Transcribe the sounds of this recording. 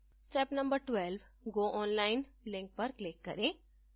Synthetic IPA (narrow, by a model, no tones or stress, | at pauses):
sʈɛːpnɐ̃mbəɾʈʋɛːlʋ | ɡoːʔɔːnlaːɪnlɪ̃ŋk̚pɐɾklɪkːɐɾẽː